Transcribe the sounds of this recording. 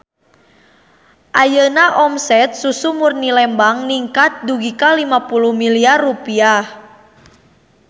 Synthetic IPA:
ʔajənaʔɔmsɛt̪̚susumurnilɛmbaŋniŋkat̪̚duɡikalimapuluhmiliarːupiah

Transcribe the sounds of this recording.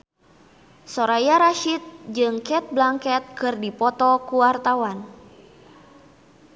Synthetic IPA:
soɾajaɾaʃit̪̚d͡ʒɨŋkɛt̪̚blaŋkɛt̪̚kɨrdipɔt̪ɔkuwart̪awan

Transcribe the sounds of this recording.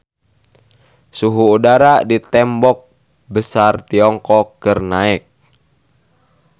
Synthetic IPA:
suɦuːdaɾadit̪ɛmbɔk̚ | bəsart̪iɔŋkɔkːərnaɛk̚

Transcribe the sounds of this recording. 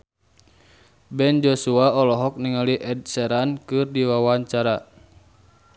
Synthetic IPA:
bɛnd͡ʒɔsuaɔlɔɦɔk̚niŋaliʔɛd̚sɛɾankɨrdiwawaɲt͡ʃaɾa

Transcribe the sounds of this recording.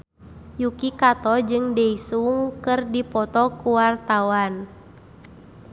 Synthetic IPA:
jukikat̪ɔd͡ʒɨŋdɛisuŋkɨrdipɔt̪ɔkuwart̪awan

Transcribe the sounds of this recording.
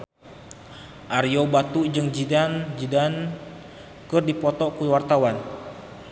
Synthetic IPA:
ʔariobat̪ud͡ʒɨŋd͡ʒidand͡ʒidan | kərdipɔt̪ɔkuwart̪awan

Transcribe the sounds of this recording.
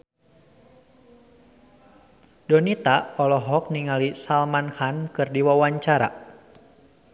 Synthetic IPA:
dɔnit̪aʔɔlɔɦɔk̚niŋalisalmankankɨrdiwawaɲt͡ʃaɾa̰

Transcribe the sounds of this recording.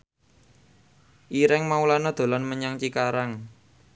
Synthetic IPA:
ʔiɾɛŋmaulanɔd̪̥o̤lanməɲaŋt͡ʃikaɾaŋ

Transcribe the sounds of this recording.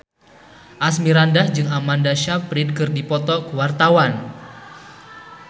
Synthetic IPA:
ʔasmiɾandahd͡ʒɨŋamandaʃapɾid̚kɨrdipɔt̪ɔkəwart̪awan

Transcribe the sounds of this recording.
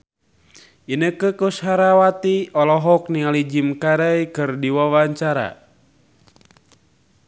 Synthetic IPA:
inəkəkushaɾawat̪iɔlɔɦɔk̚nialid͡ʒimkaɾajkɨrdiwawaɲt͡ʃaɾa̰

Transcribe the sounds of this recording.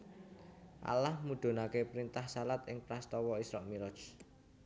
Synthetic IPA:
ʔa̰lahmuɖ̪̥o̤nakepɾint̪ahsalat̪ɪŋpɾast̪ɔwɔisɾɔʔmiɾɔ̥t͡ʃ

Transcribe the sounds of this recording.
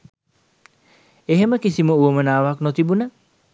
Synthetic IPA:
eɦeməkisiməuəmənaːʋaknot̪ibunə

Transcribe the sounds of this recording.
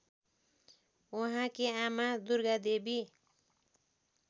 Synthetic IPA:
woɦãkeamad̪urɡad̪ebi

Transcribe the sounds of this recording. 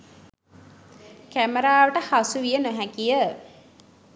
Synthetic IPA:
kæməɾaːʋəʈəhasuʋijənəɦækijə

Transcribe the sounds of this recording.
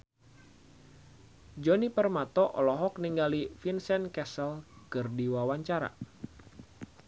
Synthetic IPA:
d͡ʒɔnipərmat̪ɔʔɔlɔɦɔk̚niŋɡalifinsɛnkɛsəlkɨrdiwawaɲt͡ʃaɾa̰

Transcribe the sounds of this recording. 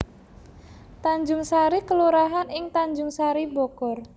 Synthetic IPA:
t̪aɲd͡ʒʊŋsaɾikəluɾaɦanɪŋt̪aɲd͡ʒʊŋsaɾibɔkɔr

